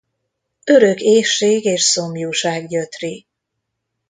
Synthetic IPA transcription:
ø̞ɾøkeːʃːeːɡeːʃsomjuːʃaːɡɟøt̪ri

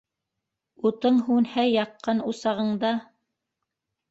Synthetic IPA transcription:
ut̪ɤɴɦunhæjɑqːɑnusɑʁɤ̆ɴd̪ɑ

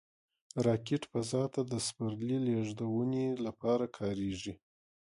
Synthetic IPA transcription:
ɾɑkeʈfazɑt̪ad̪əspaɾlileʐd̪awunelapɑɾakʰɑɾeʐi

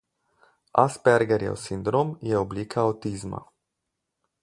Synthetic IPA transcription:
aspɛɾɡɛɾjɛ̰wsind̪ɾoːmjɛɔbliːkʰaawt̪izma̰

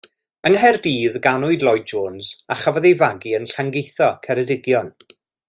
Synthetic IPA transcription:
əŋɦɛrdiːðɡanʊɨdlˠɔjd̚d͡ʒoːnz̥aχavɔðejvaɡiənɬaŋɡejθɔkʰɛɾɛdɪɡjɔn

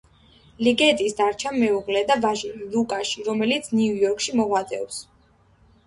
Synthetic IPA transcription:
liɡɛt̪ʼisd̪aɾt͡ʃʰammːɛuʁlɛd̪avaʒiɾilukʼaʃiɾɔmɛlit̪sʰniujɔɾkʰʃimɔʁwad̪ɛ̰vs

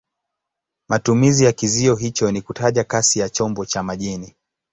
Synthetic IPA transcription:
matumizijakiziɔɦit͡ʃɔnikutaʄakasijat͡ʃɔmbɔt͡ʃamaʄini

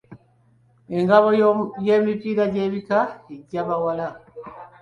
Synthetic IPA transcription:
ɛŋɡaβɔjɛmipiɾad͡ʒɛbikaiɟaβawala

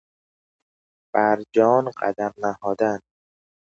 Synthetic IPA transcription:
b̥æɾd͡ʒɒːnɢæ̰d̪æɾnæhɒːd̪æn

